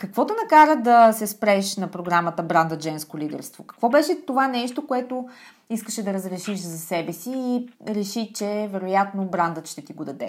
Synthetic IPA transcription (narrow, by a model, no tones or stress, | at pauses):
kɐkvɔt̪ʊnɐkaɾəd̪ɐsɛspɾɛʃnɐpɾoɡɾamət̪əbɾand̪əd͡ʒɛnskolid̪ɛ̰ɾst̪vokɐ̥kvɔbɛʃɛt̪ovanɛʃt̪okoɛt̪o | iskəʃɛd̪ɐɾəzɾɛʃiʃzɐsɛbɛsiːɾɛʃit͡ʃɛvɛɾojat̪nobɾand̪ət̪ʃt̪ɛt̪iɡod̪ɐd̪ɛ